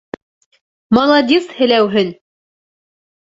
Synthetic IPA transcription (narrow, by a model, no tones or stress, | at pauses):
mɑlˠɑd̪ʲishɘ̆læwɦɘn